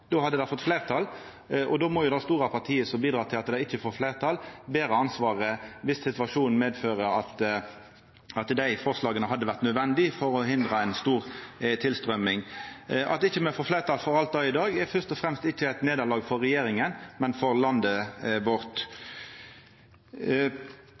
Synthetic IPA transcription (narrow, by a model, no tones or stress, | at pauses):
d̪̥oːhɑd̪ːəd̪æɪfɔt̪ːflæɪʁt̪ʰɑl | ʔɔd̪oːmɔjʊd̪ɑst̪uːʁɑpʰɑʁt̪ʰiːəsɔbiːd̪ɾɑːt̪ʰɪlɑt̪d̪æɪɪçːəfoːɾflæɪʁt̪ʰɑlbeːʁəɑnsʋɑːʁəʋɪst̪sɪt̪ʋɑʂuːnmeːd̪føːʁəɑt̪ | ɑt̪d̪æɪfɔʁslɑːɡənəɦɑd̪ːəʋæʁt̪nœd̪ʋɛnd̪ɪfɔʁɔɦɪnd̪ʁɑɛɪnst̪uːʁt̪ʰɪlst̪ʁœmɪŋʔɑ̰t̪̚ɪçːəmɛfoːflæɪʁt̪ʰɑlfɔʁɑlt̪̚d̪ɑːɪd̪ɑːɡɛfœʁst̪ɔfɾɛmst̪ɪçːəæɪt̪neːd̪ɑʁlɑːɡfɔʁɛjeːʁɪŋənmɛnfɔʁlɑnd̪əbʊʁt̪